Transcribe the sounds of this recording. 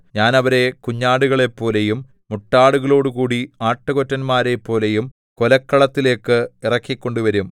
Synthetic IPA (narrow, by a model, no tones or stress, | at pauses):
ɲaːnɐʋɐɾe̞kuɲːaːɽuɣɐɭe̞pːo̞ːle̞jumː | uʈːaːɽuɣɐɭo̞ːɽukuːɽiaːʈːɐɣo̞tːɐnmaːɾe̞pːo̞ːle̞jum | ko̞lɐkːɐɭɐt̪ːile̞ːkːɨirɐkːikʲːo̞ɳɖuʋɐɾum